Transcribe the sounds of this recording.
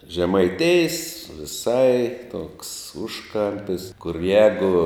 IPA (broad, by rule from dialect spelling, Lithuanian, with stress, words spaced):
ʒʲɛmɐɪˈtʲɪjs ʋʲɪˈsɐɪ toːks ˈʊʃˌkɐmʲpʲɪs kʊr ˈjæːɡʊ